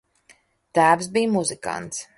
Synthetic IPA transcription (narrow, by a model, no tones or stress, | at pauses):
t̪æːvsbijmuzɨka̰nt̪s